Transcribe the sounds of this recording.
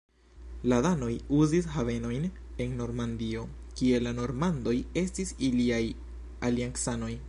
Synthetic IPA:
laðano̞juzisɦave̞no̞jne̞nːo̞ɾmand̪io̞kie̞lano̞ɾmand̪o̞je̞stisiliaj | aliaŋksano̞j

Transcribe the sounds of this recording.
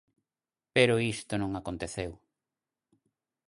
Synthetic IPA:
peɾʊist̪onõŋakont̪eθew

